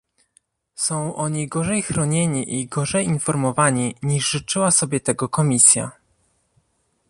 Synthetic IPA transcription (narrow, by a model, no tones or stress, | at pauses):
sɔ̃w̃ʔɔɲijɡɔʐɛjxɾɔɲeɲiʔiɡɔʐɛjinfɔɾmɔvaɲiɲiʐʐɘt͡ʂɘwasɔbʲjɛt̪ɛɡɔkɔmʲisʲja̰